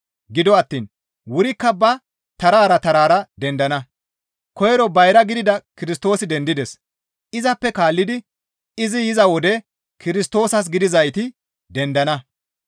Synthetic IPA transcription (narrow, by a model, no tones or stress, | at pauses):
ɡɪd̪ɔɐt̪ːiːn | wʊɾɪkːɐbɐ | t̪ɐɾaːɾɐt̪ɐɾaːɾɐd̪ɛnd̪ɐnɐ | kɔjɛɾɔbɐjɾɐɡɪd̪ɪd̪ɐkɪɾɪst̪o̞ːsɪd̪ɛnd̪ɪd̪ɛs | ɪzɐpːɛkaːlːɪd̪ɪ | ɪzɪjɪzɐwɔd̪ɛ | kɪɾɪst̪o̞ːsɐs̬ɡɪd̪ɪzɐjt̪ɪ | d̪ɛnd̪ɐnɐ